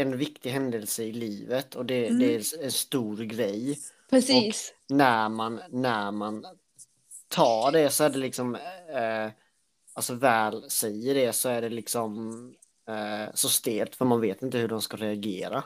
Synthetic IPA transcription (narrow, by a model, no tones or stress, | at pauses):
ɛnvɪkt̪ɪɦɛnd̪əlsəɪliːvət̪ʰɔd̪ɛd̪ɛæɛnst̪uːɾɡɾɛjː | pɾɛɔnæɾmanːæɾman | t̪ʰɑːɖɛsɔæɖɛlɪksɔm | alsɔvɛːlsɛjːəɖɛsɔæɖɛlɪksɔm | sɔst̪eːlt̪fœɾmanveːt̪ɪnt̪əhɵɖɔmskaɾɛaɡḛːɾa